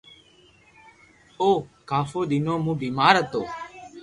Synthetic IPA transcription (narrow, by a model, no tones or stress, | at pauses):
oːkaːfoːɗ̪ɪnoːmũːbiːmaːɾət̪oː